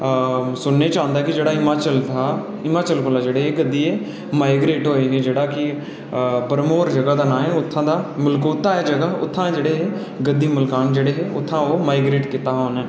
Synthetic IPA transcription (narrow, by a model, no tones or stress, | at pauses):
sʊnːeːt͡ʃãːnd̪aːɛkɪd͡ʒeːɽaːɪmaːt͡ʃəlt̪ʰaː | ɪmaːt͡ʃəlkʊlaːd͡ʒeːɽeːɦeːɡəd̪iːeː | maːɪɡɾeːʈɦoːeːɦeːd͡ʒeːɽaːkɪ | bəɾmoːɾd͡ʒəɡaːd̪aːnãːẽːʊt̪ʰːãːd̪aːmʊlkoːt̪aːeːd͡ʒəɡaːʊ̰t̪ʰːãːed͡ʒeːɽeːeː | ɡəd̪iːməlkaːnd͡ʒeːɽeːɦeːʊt̪ʰːãːoːmaːɪɡɾeːʈkɪt̪aːɦoːnɛː